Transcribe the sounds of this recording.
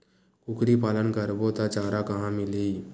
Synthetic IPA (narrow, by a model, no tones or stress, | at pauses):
kʊkɾipaːlənkəɾbot̪at͡ʃaːɾakɐɦãmɪli